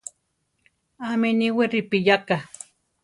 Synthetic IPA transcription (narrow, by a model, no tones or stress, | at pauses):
ameniweɾɪpijaka